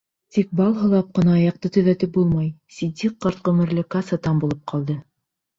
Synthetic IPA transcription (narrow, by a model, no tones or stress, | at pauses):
t̪ik̚bɑlˠɦɤ̆lˠɑp̚qɤ̆nɑːjɑq̚t̪ɤt̪ɵ̆ðæt̪ɘp̚bulˠmɑjsʲid̪ʲiqːɑɾt̪̚qɤ̆mɘ̆ɾlɘkɑsɑt̪ɑmbulˠɤp̚qʰɑlˠd̪ɤ